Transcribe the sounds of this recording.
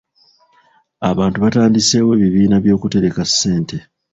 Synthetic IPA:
aβaːntuβataːndise̞ːwe̞ːβiβiːnaβjo̞ːkute̞ɾe̞kasːe̞ːnte

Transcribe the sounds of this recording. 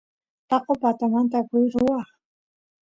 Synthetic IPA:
t̪ɑqopat̪amant̪̬akʊjɾʊwɑχ

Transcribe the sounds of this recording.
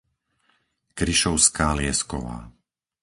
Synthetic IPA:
kɾiʃɔʊskaːlɪɛskɔ̰ʋa̰ː

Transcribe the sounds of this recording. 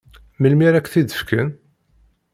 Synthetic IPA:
məlmiɾækʷːθid̪əfkən

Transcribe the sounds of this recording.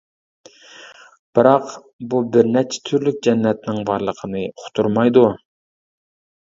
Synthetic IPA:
b̥ɪɾɑq | bubɪɾnɛt͡ʃʰɛ̥t̪ʰyɾlyk̚ʲd͡ʒɛnːɛt̪nɪŋbɑɾlˠəqʰənɨqʰʊ̥t̪ʰuɾmɑjd̪u

